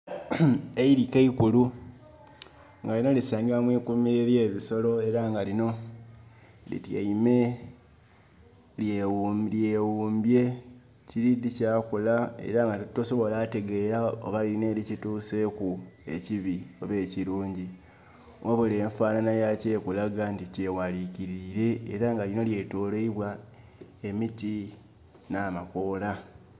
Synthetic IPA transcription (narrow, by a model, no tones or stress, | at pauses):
eiɾikeikulu | ŋɡalino̞lisaːɲɡiɾamwiːkumiɾeɾje̞ːβiso̞lo̞e̞ɾaŋɡalino̞ | lḭtja̰ime̞ | ljewulje̞ːwuːmbje̞ | ciɾidicaːkulae̞̰ɾaŋɡatutːoso̞βo̞laːte̞ɡe̞ɾao̞̰βaline̞ːɾicituːse̞kue̞ciβioβe̞ːciɾuːɲɟi | wʔaβuleːɱfaːnanajace̞ːkulaɡantice̞waliciɾiːɾe̞̰ːɾaŋɡalino̞lje̞toːleiβwa | e̞miti | naːmako̞ːla